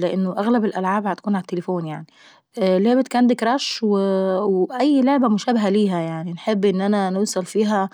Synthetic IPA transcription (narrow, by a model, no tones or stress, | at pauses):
lɪʔɪnːoʔæɣlæbɪlʔælʕaːbhæt̪ḁkuːnʕalæt̪ːelefoːnjaʕni | ʔloʕbæt̪kæʕand̪ɪkɾˤɑʃwwʔæjːloʕbæmʊʃæːbɪɦæliːɦæjaʕninħebːʔɪnːʔænænowsˤɑlfiːɦæ